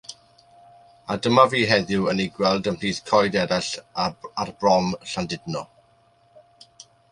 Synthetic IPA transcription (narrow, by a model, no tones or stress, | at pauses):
adəmaviːɦɛðʊwəniɡwɛlˠdəmpʰiːθkʰɔjdɛɾaɬaarbrɔmɬandɪdnɔ